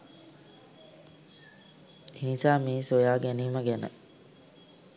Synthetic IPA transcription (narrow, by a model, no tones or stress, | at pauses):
enisaːmiːsojaːɡæniːməɡænə̰